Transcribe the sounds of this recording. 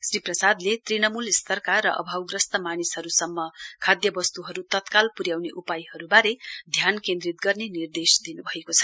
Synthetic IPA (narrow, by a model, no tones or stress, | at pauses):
sriprʌsad̪let̪rinʌmulist̪ʰʌrkarʌʔʌ̰bʱawɡrʌst̪ʌmanishʌɾusʌmːʌkʰad̪jʌbʌst̪uɦʌɾut̪ʌt̪kalpuɾjawneʔupajɦʌɾubaɾed̪ʱjankẽnd̪ɾit̪̚ɡʌrnenird̪esd̪inubʱʌekot͡sʰʌ̥